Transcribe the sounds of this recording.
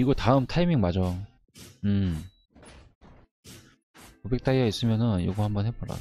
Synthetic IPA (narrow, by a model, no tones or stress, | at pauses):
iɡʌtaɯmtʰaimiŋmad͡ʑo | ɯm | kobek̚t͈aiɡais͈ɯmjʌnɯnjo̰ɡuhambʌnɦep͈oɾa̰